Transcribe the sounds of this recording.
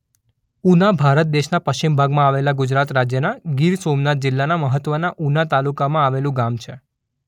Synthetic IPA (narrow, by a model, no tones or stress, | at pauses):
unabʱaɾət̪̚d̪eʃnapəʃt͡ʃimbʱaɡmãaʋelaɡʊd͡ʒɾat̪ɾad͡ʒjənaɡiɾsomnat̪̚d͡ʒɪlːanaməɦət̪ʋənaʔunat̪alukamãaʋelũɡamt͡ʃʰe